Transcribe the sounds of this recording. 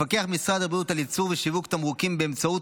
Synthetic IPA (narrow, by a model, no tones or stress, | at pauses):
fake̞aχmisʁad̪abut̪alit͡suʁveʃivukt̪amʁukimbeːmt͡saut